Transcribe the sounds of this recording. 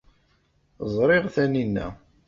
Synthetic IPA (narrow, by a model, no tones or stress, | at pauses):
zˤɾˤɪʁθæninːæ̰